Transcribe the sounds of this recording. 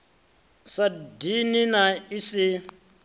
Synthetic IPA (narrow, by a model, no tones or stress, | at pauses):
sadininaisi